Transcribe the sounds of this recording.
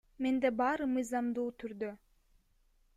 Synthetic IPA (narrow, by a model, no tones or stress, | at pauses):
mend̪ebɑːɾɯmɯjzɑmd̪uːt̪ʰyɾd̪ø